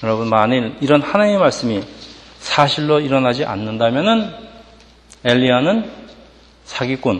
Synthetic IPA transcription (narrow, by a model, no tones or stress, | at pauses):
jʌɾʌbunmaɲiɾiɾʌnhanaemaɭs͈ɯmisʰaɕʰiɭːoiɾʌnɦad͡ʑiʔa̰nːɯndamjʌnɯn | eʎːianɯn | sʰaɡik͈un